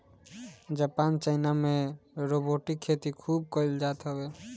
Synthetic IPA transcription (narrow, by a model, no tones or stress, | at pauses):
d͡ʒaːpaːnt͡ʃaɪnamẽɾoːboːʈikʰːeːt̪ikʰuːb̚kɔɪld͡ʒaːt̪ɦəbeː